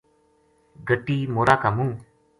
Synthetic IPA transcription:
ɡʱəʈiːmoːɾaːkamũː

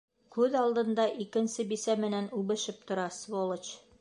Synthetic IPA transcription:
kʉðɑlˠd̪ɤ̆nd̪ɑʔikɘ̆nsɘbisæmɘ̆nænʉbɘ̆ʃɘp̚t̪ŏɾɑsvolˠɤt͡ɕ

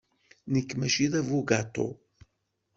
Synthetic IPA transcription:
nəkːmæʃiðævuɡat̪o̰

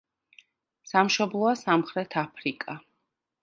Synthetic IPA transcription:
samʃɔblˠɔasamχɾɛt̪ʰapʰɾikʼa

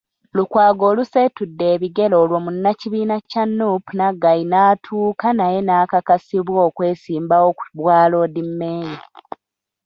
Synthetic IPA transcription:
lukwaːɡoːlusetudːe̞ːβiɡe̞lo̞ːlwomunːaciβiːnacanːupunaɡainaːtʰuːkanaje̞naːkakasiβwoːkwe̞ːsiːmbaoku̥βwaːlo̞ːdimːeːji

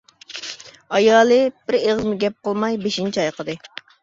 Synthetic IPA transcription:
ɑjɑːlˠɨb̥ɪɾeʁzmɪɡʲɛp̚qʰəlˠmɑjbeʃint͡ʃʰiɑjqʰəd̪ɨ

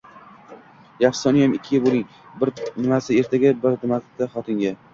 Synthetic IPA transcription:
jafsɒnɪjamɪkʲʰːɪjɪbolˠɪŋ | bɪɾnɪmasɪe̞ɾt̪ʰaɡʲabɪɾd̪ɪmat̪ːaχɒt̪ʰɪŋɡʲa

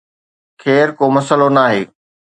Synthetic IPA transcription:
kʰeːɾkoːmɐsəlonaːɦeː

